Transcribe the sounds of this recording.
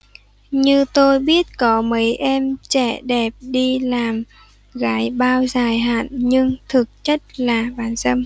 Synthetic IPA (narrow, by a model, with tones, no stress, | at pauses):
ɲɨ˧t̪o˧jɓi˦˥ət̚kɔ˨˦mə˨˦jʔɛ˧mt͡ɕɛ˧˩ɗɛ˨˩p̚ɗi˧laː˨˩m | ɣaː˨˦jɓaː˧wzaː˨˩jɦa̰ː˧˨nɲɨ˧ŋt̪ʰɨ˨˩k̚t͡ɕə˦˥t̚laː˨˩ɓaː˨˦nzə˧m